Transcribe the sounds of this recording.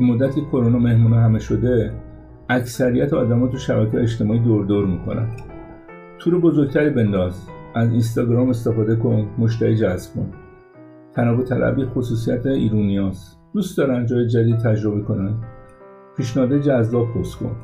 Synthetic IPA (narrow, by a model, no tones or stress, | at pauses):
bemod̪ːæt̪ʰikʰo̞ɾonɒme̞hmuːnɑɦæme̞ʃo̞d̪e̞ | æksæɾijæt̪ʰeɒːd̪æmɒːt̪uʃæbækʰeːeeʃt̪e̞mɒːiːd̪oɾd̪oːɾmiːkʰo̞̰næ̰n | t̪ʰuːɾebo̞zoɾɡ̚t̪ʰæɾiːbe̞nd̪ɒːzæzins̬t̪ɒɡɾɒːme̞st̪e̞fɒːd̪e̞kʰo̞nmo̞ʃ̬t̪æɾiːd͡ʒæzb̥̚kʰo̰n | t̪ʰænɒːvo̞t̪ʰælʔæ̰biːxosuːs̬ijæt̪ʰeḭːɾunijɒːs | d̪̥uːst̪d̪ɒːɾænd͡ʒɒːjed͡ʒæd̪id̪̚t̪ʰæd͡ʒɾo̞bekʰo̞nænd̪ | pʰiːʃneɒːd̪ed͡ʒæzlɒːbʰoskʰo̞̰n